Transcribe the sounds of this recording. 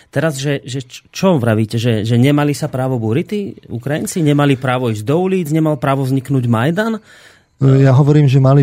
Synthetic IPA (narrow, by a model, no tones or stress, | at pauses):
t̪ɛɾazʒɛʒɛt͡ʃɔʋɾaʋiːcɛʒɛʒɛɲɛmalisapɾaːʋɔbuɾit̪iṵkɾajint͡siɲɛmalipɾaːʋɔiːʒɟd̪ɔuliːd͡zɲɛmalpɾaːʋɔzɲiknuɟmajd̪an | jaɦɔʋɔɾiːmʒɛmali